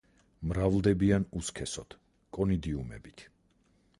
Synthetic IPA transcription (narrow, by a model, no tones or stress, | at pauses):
mɾavlˠd̪ɛbianuskʰɛsɔt̪ʰ | kʼɔnid̪iumɛ̰bit̪ʰ